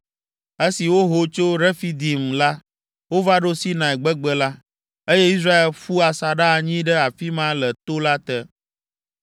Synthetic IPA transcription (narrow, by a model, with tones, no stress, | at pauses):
e˦si˨wo˦ɦo˨t͡ʃo˦ɾɛ˦fi˦d̪i˨mla˦ | wo˦va˦ɖo˦si˦nã˨ɛ˨ɡ͡bɛ˦ɡ͡bɛ˦la˦ | e˦je˦i˦s̬ɾa˦e˨lfu˦a˨sa˨ɖa˦˨ɲĩ˦ɖɛ˦a˨fi˦mã˦lɛ˨t̪o˦la˦t̪ɛ˦